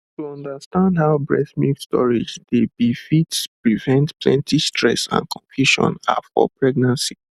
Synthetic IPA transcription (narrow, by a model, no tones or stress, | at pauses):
tuɔ̃ndastãndhaʊbɹɛsmikstɔɹid͡ʒdedifitspɹivɛ̃ntplɛ̰̃ntʰistʰɹɛ̰sã̰nkʰɔ̃ɱfjuʃɔ̰̃na̰fɔ̰pʰɹɛɡ̚nãnsi̥